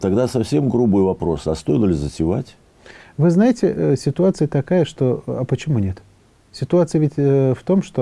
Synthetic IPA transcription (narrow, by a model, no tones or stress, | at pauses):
t̪ɐɡd̪asɐfsʲe̞mɡɾubɨjvɐpɾo̞sɐst̪ojɪlˠlʲɪzətʲɪvatʲ | vɨznajɪtʲɪʔəsʲɪt̪ʊat̪sɨjət̪ɐkajəʂt̪o̞ɐpət͡ɕɪmunʲe̞t̪ | sʲɪt̪ʊat̪sɨjəvʲɪtʲft̪o̞mʂt̪o